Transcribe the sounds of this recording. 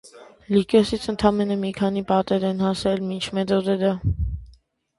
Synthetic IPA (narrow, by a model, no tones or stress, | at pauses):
likɔsit͡sʰənt̪ʰɑmɛnəmikʰɑnipɑt̪ɛɾɛnhɑsɛlmint͡ʃʰmɛt̪ʰɔd̪ɛɾə